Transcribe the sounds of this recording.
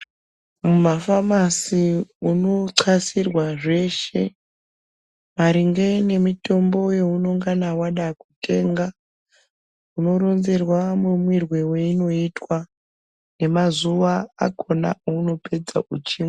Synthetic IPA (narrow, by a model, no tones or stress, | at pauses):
mumafamasiuno̞ǀʰasirwaʐe̞ʃe̞̰ | maɾiŋɡe̞ne̞mito̞mbo̞je̞uno̞ŋɡanawaɗakute̞ːŋɡa | uno̞ɾo̞nze̞rwamumwirwewe̞ino̞itwa | ne̞mazuʋaa̰ko̞na̰ouno̞pe̞d͡za̰ut͡ʃiːme